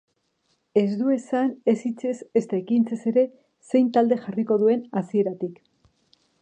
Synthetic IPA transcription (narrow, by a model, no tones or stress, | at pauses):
e̞zd̪ue̞sane̞sit͡se̞se̞st̪aekint͡se̞se̞ɾe̞ | se̞jnt̪ald̪e̞xariko̞ðue̞nasie̞ɾat̪ik